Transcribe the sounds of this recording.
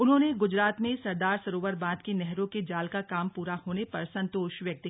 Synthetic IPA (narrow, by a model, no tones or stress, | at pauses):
ʊnɦõːneɡʊd͡ʒɾaːt̪mẽsɐɾd̪aːɾsɐɾoːʋəɾbãːd̪kenɛɦɾõked͡ʒaːlkakaːmpuːɾahoːnepɐɾsɐ̃nt̪oːʃʋjɐk̚t̪ɪ